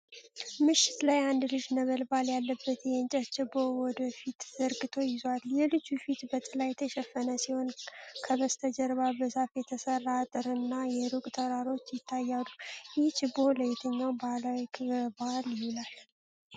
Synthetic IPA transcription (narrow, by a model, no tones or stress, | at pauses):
mɨʃɪ̥t̪lajand̪lɨʃnəβəlbaljalːəbːət̪jɛnt͡ʃʼɛtt͡ʃɪbːowɔd̪əfit̪z̥əɾɡɨt̪ʰo̞jɪzaljɛlɨd͡ʒufit̪bət̪ʼɨlajt̪ʰəʃɛfːənəsiho̞nkʰəβəst̪ʰəd͡ʒəɾβabəsafjɛt̪ʰəsərːat̪ʼɨɾɨnːajɛɾukʼt̪ʰəɾaɾo̞t͡ʃːjɪt̪ʰːajːalujɪht͡ʃʰɪbːoləjɛt̪ʰəɲːawbalawikʰɨβbaljɪβlal